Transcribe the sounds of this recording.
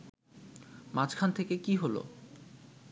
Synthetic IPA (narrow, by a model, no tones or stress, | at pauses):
mat͡ɕkʰant̪ʰekekiɦolo̰